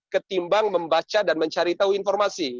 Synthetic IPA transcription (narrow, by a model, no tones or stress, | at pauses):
kət̪imbaŋməmbat͡ʃadanməɲt͡ʃaɾit̪auinfɔrmasi